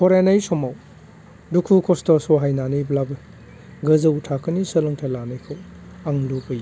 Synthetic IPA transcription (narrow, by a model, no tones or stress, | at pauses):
kʰɔɾenɐjsɔmaw | dukʰukʰɔstɔsɔɦajnanɯjblabɯ | ɡɯzɐutʰakʰɯnisɐlɐŋtʰelanɯjkʰɯw | aŋlupɯj